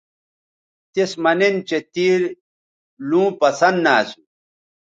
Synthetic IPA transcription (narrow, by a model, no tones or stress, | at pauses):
t̪esmɐnent͡ɕet̪iːɾ | lũːpɐsɐnd̪naːsu